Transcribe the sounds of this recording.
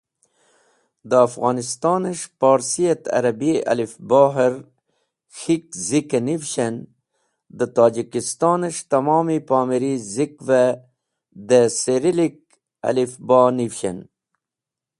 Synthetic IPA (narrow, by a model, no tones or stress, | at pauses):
d̪əafɣɑːnist̪ɑːnəʂpɑːɾsijɐt̪ɐ̰ɾɐbiɐ̰lifbɑːɦiɾ | xik̚zikɐnivʃen | d̪ət̪ɑːd͡ʒikist̪ɑːnəʂt̪ɐmɑːmipɑːmeɾizikvɐ | d̪əseɾilik̚ | a̰lifbɑːnifɕḛn